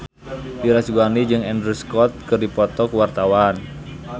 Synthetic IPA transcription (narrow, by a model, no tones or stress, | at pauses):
diɾasɡanid͡ʒɨŋɛndɾuskɔt̪̚kɨrdipɔt̪ɔkuwart̪awan